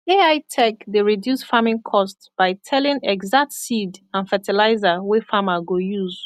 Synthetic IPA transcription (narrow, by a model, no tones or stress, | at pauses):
eaɪtʰɛkdeɹidjusfamɪ̃ŋkʰɔstsb̥aɪtʰɛlĩŋɛɡzak̚tsidãnfɛtilaɪzawɛfamaɡojuz